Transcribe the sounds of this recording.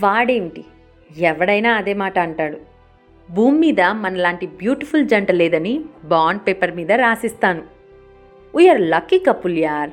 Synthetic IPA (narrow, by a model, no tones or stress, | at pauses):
ʋaːɽe̞ːɳʈi | ɛʋɐɽɐjnaːɐd̪e̞ːmaːʈɐːɳʈaːɽu | bʱuːmːiːd̪ɐmɐnɐlaːɳʈibjuːʈipʰuld͡ʒɐɳʈɐlɛːd̪ɐnibaːɳɖpeːpɐɾmiːd̪ɐɾaːsist̪aːnu | ujɐɾlɐkːikɐpːuljaːɾ